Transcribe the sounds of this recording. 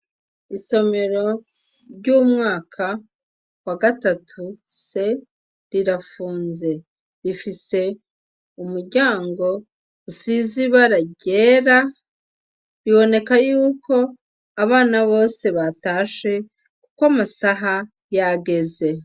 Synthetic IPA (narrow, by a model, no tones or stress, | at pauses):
iso̞me̞ɾo̞ | ɾɟumŋaːkʰa | waɡatatʰuse̞ | ɾiɾafuːnze̞ | ɾifise̞ | umuɾɟaːŋɡo̞ | usiziβaɾaɟe̞ːɾa | βiβo̞ne̞kajuːko̞ | aβaːnaβo̞ːse̞βataːʃe̞ | kukwamasaɦa | jaɡe̞ze̞